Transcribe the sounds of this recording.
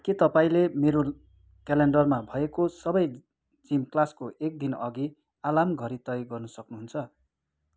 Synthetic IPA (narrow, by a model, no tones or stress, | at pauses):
kit̪ʌpaĩlemeɾo | kaleɳɖʌrmabʱʌekosʌbʌj | d͡zimklaskoʔek̚d̪inʌɡi | alamɡʱʌɾit̪ʌjɡʌrnʌsʌknuɦunt͡sʰʌ